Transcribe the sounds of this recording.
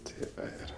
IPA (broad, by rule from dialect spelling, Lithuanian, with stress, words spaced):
ˈtʲeː ˈɪr